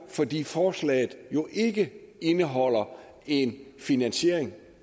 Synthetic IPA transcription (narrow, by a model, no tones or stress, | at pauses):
fɒ̽d̥ḭːfɒːslɛ̰ːð̩ˠjo̝ʔe̝ɡ̥əe̝nəɦɒ̽l̰ɐ | e̝nfinænɕe̝ɐ̰e̝ŋ